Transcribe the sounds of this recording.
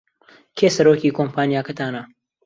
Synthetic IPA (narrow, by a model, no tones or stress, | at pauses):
kʰeːsɐɾoːkiːkʰompʰaːnijaːkɐt̪ʰaːnɐ